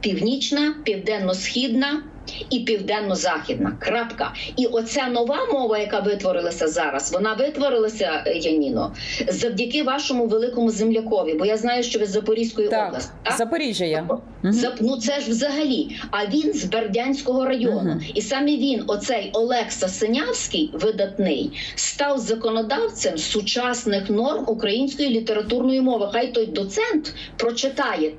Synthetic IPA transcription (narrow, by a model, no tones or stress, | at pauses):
pʲiwnʲit͡ʃnɐpʲiwd̪ɛnːɔsxʲid̪nɐ | ipʲiwd̪ɛnːɔzɑxʲid̪nɐkrɑpkɐ̰iʔɔsʲɛnɔʋɑmɔʋɐjɐkɑʋɪt̪ʋɔɾɪlˠɐsʲɐzɑɾɐ̰sʋɔnɑʋɪt̪ʋɔɾɪlˠɐsʲɐjɐnʲinɔ | zɐwdʲɐkɪʋɑʃɔmʊʋelˠɪkɔmʊzemlʲɐkɔʋʲibɔjaznɑjʊʃt͡ʃɔʋʲɪzɐpɔɾʲisʲkɔjitɔblˠɐsʲɪt̪azɐpɔɾʲiɐjɔ | zɐnut̪sɛʒwzɐɦɐlʲiɐʋʲinzberdʲanʲsʲkɔɦɔɾɐjɔnʊisɑmiʋʲinɔsɛjɔlˠɛksɐsenʲawsʲkɪjʋɪd̪ɐt̪nɪjst̪ɑwzɐkɔnɔd̪ɑw̪t͡s̪ʲɛmsʊt͡ʃɑsnɪxnɔrmukɾɐjinʲsʲkɔjilʲit̪eɾɐt̪urnɔjimɔʋɪxɑjt̪ɔjd̪ɔt̪sɛnt̪ | pɾɔt͡ʃɪt̪ɑjɛ